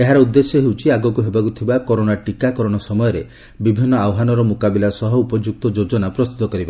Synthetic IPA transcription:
eɦaɾɔud̪ːesjɔɦewt͡ʃʰiaɡɔkuɦebakut̪ʰibakɔɾoɽaʈikakɔɾɔɽ̃ɔsɔmɔjɔɾe | bibʱinːɔawɦanɔɾɔmukabilasɔɦɔupɔd͡ʒuk̚t̪ɔd͡ʒod͡ʒɔnapɾɔst̪ut̪ɔkɔɾiba

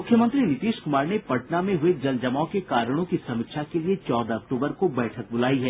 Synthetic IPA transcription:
mʊkʰːjəmə̃nt̪ɾinɪt̪iːʃkʊmaːɾnepɐʈnamẽɦʊed͡ʒɐld͡ʒɐmaõkekaːɾəɽ̃õkisɐmɪkʃakeliet͡ʃɔːd̪aɐk̚ʈoːbəɾkobɛːʈʰək̚bʊlaːiɦɛː

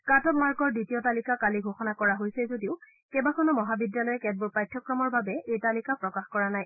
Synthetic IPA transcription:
katɔpmaɹɡɔɹditijɔtalikakaliɡʱoxɔnakɔɹaɦojsɛzodiʊ | kɛbakɔnɔmɔɦabidjalɔjɛkɛd̚buɹpɹajtʰːɔkɹɔmɔɹbabɛʔejtalikapɹɔkaxkɔɹanaj

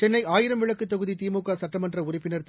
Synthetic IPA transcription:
t͡ʃɛnːɐɪaːjɪɾɐmʋɪɭɐkːɯt̪ːɐɣɯðit̪iːmuːkːaːsɐʈrɐmɐndrɐʊrɪpːɪnɐɾt̪

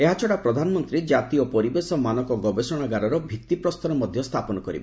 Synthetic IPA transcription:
eɦat͡ʃʰɔɽapɾɔd̪ʱanɔmɔnt̪ɾid͡ʒat̪iɔpɔɾibesɔmanɔkɔɡɔbesɔɽ̃aɡaɾɔɾɔbʱikt̪ipɾɔst̪ɔɾɔmɔd̪ʱjɔst̪ʰapɔnɔkɔɾibɔ

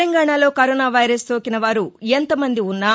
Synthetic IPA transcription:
ɐŋɡaːɳaːlo̞ːkɐɾoːnaːʋɐjɾɐst̪o̞ːkinɐʋaːɾuent̪ɐmɐnd̪iunːaː

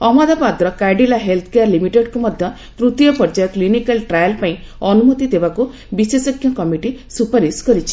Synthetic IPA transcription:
ɔmad̪ʱapad̪ɾɔkajɖilaɦelt̪ʰkeaɾlimiʈeɖkumɔd̪ʱjɔ | t̪ɾut̪jɔpɔɾd͡ʒajɔklinikalʈɾajɔlpaĩ | ɔnumɔt̪id̪ebaku | bisesɔkʰjɔkɔmiʈisupaɾiskɔɾit͡ʃʰi̥

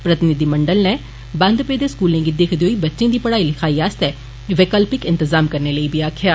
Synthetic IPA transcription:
pɾət̪ɪnɪd̪iːmə̃ɳɖəlnɛː | bə̃nd̪peːd̪eːskuːlẽːɡid̪ekʰd̪eoiːbətːʃẽːd̪iːpəɽaːilɪkʰaːiːaːst̪ɛː | ʋeːkəlpɪkɪ̃nt̪əzaːmkəɾneːləiːbiːaːkʰɪjaː

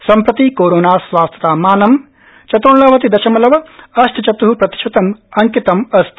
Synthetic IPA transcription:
sɐmpɾɐt̪ikoːɾoːnaːsʋaːst̪ʰɐt̪aːmaːnɐm | t͡ʃɐt̪uːɳlɐːʋɐt̪id̪ɐʃɐmɐlɐʋɐɐsʈ̪ʰɐt͡ʃɐt̪uɦupɾɐt̪i̥ʃɐt̪ɐmɐŋkit̪ɐmɐst̪

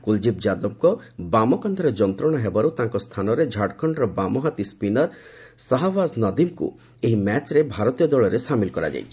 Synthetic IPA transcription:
kuld͡ʒipd͡ʒad̪ɔm̚kɔ | bamɔkɔnd̪ʱɔɾed͡ʒɔnt̪ɾɔɽ̃ɔɦebɔɾut̪aŋkɔst̪ʰanɔɾed͡ʒʱaɽkʰɔɳɖɾɔbamɔɦat̪ispinɔɾ | saɦabasnɔd̪imkṵ | eɦimɛt͡ʃɾebʱaɾɔt̪ijɔd̪ɔɭɔɾesamilkɔɾa̰d͡ʒa̰jt͡ʃʰi̥

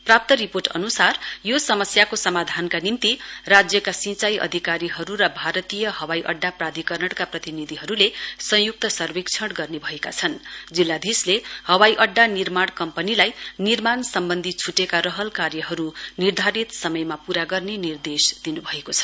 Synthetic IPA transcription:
prap̚t̪ʌɾiporʈʌ̰nusarjosʌmʌsjakosʌmad̪ʱankanint̪irad͡zjʌkasĩt͡sajʔʌ̰d̪ʱikaɾiɦʌɾuɾʌbʱaɾʌt̪ijʌɦʌwajʔʌɖːaprad̪ʱikʌrnʌɽkaprʌt̪inid̪ʱiɦʌɾulesʌ̃juk̚t̪ʌsʌrbekt͡sʰʌɽɡʌrnebʱʌeka̰t͡sʰʌnd͡zilːad̪ʱislehʌwajʔʌɖːanirmaɽ̃kʌmpʌnilajnirmansʌmbʌnd̪ʱit͡sʰuʈekaɾʌɦʌlkaɾjʌɦʌɾunird̪ʱaɾit̪sʌmʌjmapuɾaɡʌrnenird̪esd̪̥inubʱʌekot͡sʰʌ̥

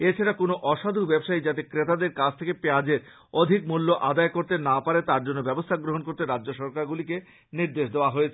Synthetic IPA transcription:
et͡ɕʰaɾakonoʔɔʃad̪ʱubɛbʃaid͡ʑat̪ekɾet̪ad̪eɾkat͡ɕʰt̪ʰekepead͡ʑeɾ | od̪ʱik̚mulːoʔad̪aekoɾt̪enapaɾet̪aɾd͡ʑonːobɛbost̪ʰaɡɾoɦonkoɾt̪eɾadd͡ʑoʃɔɾkaɾɡulike | niɾd̪eʃd̪eoaɦojet͡ɕʰe

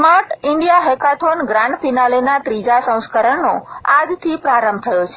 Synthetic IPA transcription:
smaɾʈɪɳɖijaɦɛkat̪ʰonɡɾãɳɖfinalenat̪ɾid͡ʒasə̃w̃skəɾəɳːoad͡ʒt̪ʰipɾaɾəmb̚t̪ʰəjot͡ʃʰe

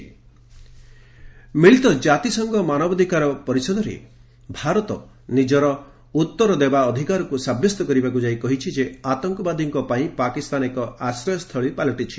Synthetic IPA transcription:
miɭit̪ɔd͡ʒat̪isɔŋɡɔmanɔbɔd̪ʱikaɾɔpɔɾisɔd̪ɔɾḛ | bʱaɾɔt̪ɔ | nid͡ʒɔɾɔ | ut̪ːɔɾɔd̪ebaɔd̪ʱikaɾɔkusabjɔst̪ɔkɔɾibakud͡ʒaikɔɦit͡ʃʰid͡ʒeat̪ɔŋkɔbad̪ʱiŋkɔpaĩpakist̪anekɔasɾɔjɔst̪ʰɔɭipalɔʈit͡ʃʰi̥

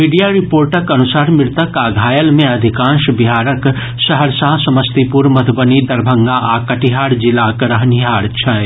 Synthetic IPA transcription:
miɖijaɾɪpoːɾʈəkɐnusaːɾmɪɾt̪əkaːɡʱaːjəlmẽɐd̪ʱɪkãːʃbiɦaːɾək | ʃɐɦəɾsɐɦsɐməst̪ipuɾmɐt̪ʰbənid̪ɐɾbʱə̃ŋɡaʔaːkɐʈiɦaːɽd͡ʒɪlaːkɾɐɦniɦaːɽt͡ʃʰɐ

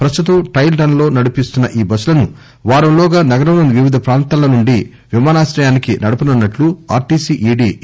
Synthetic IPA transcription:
pɾɐst̪ut̪ɐmʈɐjlɖɐnlo̞ːnɐɽupist̪unːɐʔiːbɐsulɐnu | ʋaːɾɐmlɔːɡaːnɐɡɐɾɐʋnɐnʋiʋid̪ʱɐpɾaːnt̪aːlɐnuɳɖi | ʋimaːnaːʃɾɐjaːnikinɐɽupunɐnːɐʈlua̰ːɾʈiːsiːʔiːɖiː

